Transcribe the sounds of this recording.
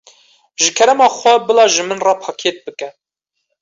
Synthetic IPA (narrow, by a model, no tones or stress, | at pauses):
ʒɨkʰɛɾɛmɑːxʷwɛbɨlɑːʒɨmɨnrɑpʰɑːkʰeːt̪̚bɨkɛ